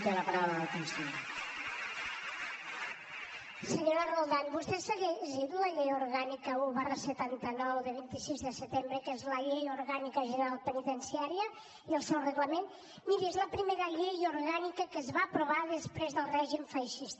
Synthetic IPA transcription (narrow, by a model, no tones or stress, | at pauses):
keləpaɾawləðkunsina | səɲoɾaɾmolˠd̪anbust̪ɛsəɣeʒiðuləʎejuɾɣanikəuβarəsət̪ant̪ənɔwðəβint̪isizðəsət̪embɾəkezləʎejuɾɣanikəʒənəɾalˠpənit̪ənsiaɾiə | iəlˠsɛwrəɣləmen | miɾiezləpɾimeɾəʎejuɾɣanikəkəzβaːpɾuβaðəspɾezðəlˠrɛʒimfajʃist̪